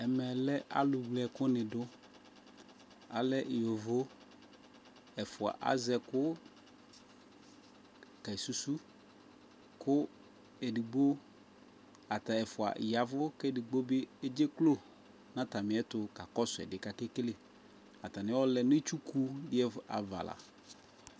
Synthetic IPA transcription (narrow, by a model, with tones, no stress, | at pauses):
ɛ˨mɛ˨lɛ˦ʔa̰˨lʊ˨wlɛ˨kʊ˦nɪ̃˨dʊ˦ | a̰˨lɛ˦ʔjo˨vo˦ | ɛ˨fʊ˨a̰˨ʔa̰˦zɛ˨kʊ˦ | ka˨i˨su˨su˦ | kʊ˦ | e˨di˨ɡ͡bo˦ | a˨t̪a˨ɛ˨fʊ˨a̰˨ja˨vʊ˦kɛ˦˨di˨ɡ͡bo˦bɪ˦e˦d͡ʒe˦klo˦ | nã˦t̪a˨mɪ̃˨˦ɛ˦tʊ˨ka˨kɔ˦sʊ˨ɛ̰˨dɪ˨ka˨ke˦kle˦ | a˨t̪a˨nɪ̃˦wɔ˦lɛ˨n˦ɪ˦t͡ʃu˦ku˦dɪ˦ɛ˦˨a˨va̰˨la̰˨